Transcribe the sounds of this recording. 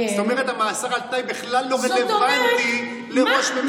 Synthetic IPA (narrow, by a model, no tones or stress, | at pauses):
set̪o̞meʁet̪amaːsaʁalt̪ajbiχlalːomed̪evvajot̪i | leʁo̞ʃme